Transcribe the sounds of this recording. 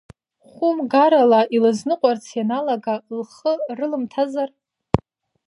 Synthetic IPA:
χʷʊmɡaɾalaʔilɨznɨqʷʼart͡sʰjanalaɡalχərɨlɨmtʰazar

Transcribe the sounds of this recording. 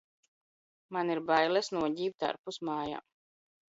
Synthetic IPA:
maniɾbajlˠɛsnuɔɟiːpt̪a̰ɾpusmaːja̰ː

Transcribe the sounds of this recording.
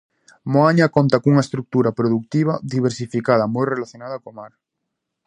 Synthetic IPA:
moaɲakont̪akuŋaest̪ɾuk̚t̪uɾapɾoðuk̚t̪iβ̞aðiβ̞eɾsifikaðamojrelaθjonaðakomaɾ

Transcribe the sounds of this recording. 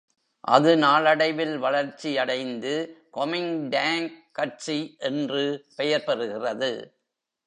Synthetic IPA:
ʔɐ̰ðɯnaːɭɐɽɐɪʋɪlʋɐɭɐɾt͡ʃːijɐɽɐɪnd̪ɯkɔmɪŋɖaːŋkːɐʈt͡ʃiʔɛndrɯpɛjɐɾpɐɾɯɣɪrɐðɯ̰

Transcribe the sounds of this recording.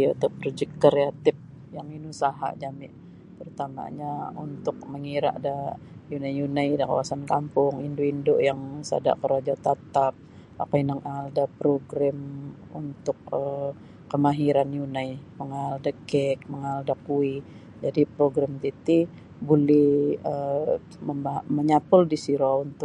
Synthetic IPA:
a̰t̪apɾod͡ʒɛk̚kəɾeat̪ɪp̚ | jaŋinusaɦa̰d͡ʒamɪ̰ʔ | t̪əɾut̪ama̰ɲaunt̪ʊk̚məŋiɾa̰ʔda | junajjunajdaka̰wasankampʊŋindoindojaŋsa̰da̰ʔkəɾad͡ʒat̪at̪ap̚ | a̰kainaŋʔaldapɾoɡɾamṵnt̪ʊk̚əː | əmaɦiɾanjunajməŋaldəkɛk̚məŋaldakui | d͡ʒadipɾoɡɾamt̪it̪i | bulɛhə | məmbaməɲapʊldisiɾount̪ʊ

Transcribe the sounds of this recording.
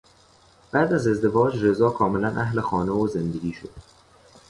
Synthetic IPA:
b̥æːd̪æze̞zd̪e̞vɒːd͡ʒre̞zɒːkʰɒːme̞lænʔæhlexɒːnevozend̪eɡʲiːʃo̞d̪̥

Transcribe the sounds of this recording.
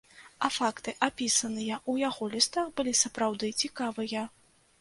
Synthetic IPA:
ɐfakt̪ɨʔapʲisɐnɨjɐʔujaɣɔlʲist̪abɨlʲisɐpɾawd̪ɨt͡sʲikavɨjɐ

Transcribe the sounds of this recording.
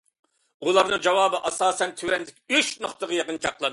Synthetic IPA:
ulˠɑɾnɨŋd͡ʒɑwɑːbɨʔɑsɑːsɛnt̪ʰywɛnd̪ɪkʲyʃnoχt̪əʁɑjeqənt͡ʃʰɑqlˠɑn

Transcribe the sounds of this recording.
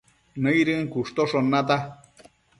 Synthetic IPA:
nə̃jɾɨŋkuʂt̪oʂonːat̪a

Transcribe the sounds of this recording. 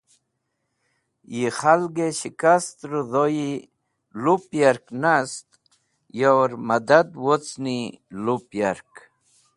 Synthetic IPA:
jiχalɡeɕikast̪ɾuðoji | lupjaɾknast̪̚ | jawɾmad̪ad̪wot͡snilupjaɾk

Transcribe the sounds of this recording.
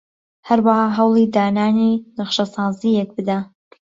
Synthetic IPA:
hɐɾwəhɑːɦɐwlˠiːd̪aːnaːninɨχʃɐsɑːzijɛk̚bɨd̪a

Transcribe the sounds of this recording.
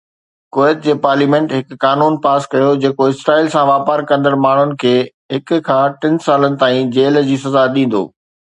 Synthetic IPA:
koːet̪̚d͡ʑeːpaːɾliːmẽːɳʈɦɪkːaːnuːnpaːskɐjod͡ʑeːkoɪsɾaːilsãʋaːpəɾkɐ̃nd̪əɾmaːɳ̤ʊnɪ̆kʰeː | ɦɪkʊ̆kʰãːʈɪ̃nsaːlənɪ̆t̪aːĩd͡ʑeːld͡ʑiːsɐzaɗĩːn̆d̪o̰ː

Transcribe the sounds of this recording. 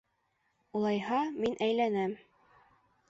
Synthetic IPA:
ulˠɑjhɑminʔæjlænæm

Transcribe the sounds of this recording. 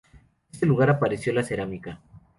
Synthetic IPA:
est̪e̞luɣaɾapaɾe̞sjo̞lase̞ɾamika

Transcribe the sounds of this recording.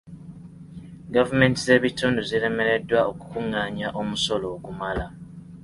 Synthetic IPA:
ɡavume̞ntize̞ːβituːnduziɾe̞me̞ɾe̞dwaoku̥kuŋːaːɲaʔo̞muso̞lo̞ːkumala

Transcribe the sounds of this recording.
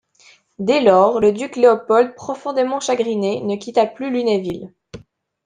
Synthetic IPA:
d̪ɛlɔʁləd̪ykleɔpɔld̪̚pχɔfɔ̃d̪emɑ̃ʃaɡʁinenəkʲit̪aplylynevil

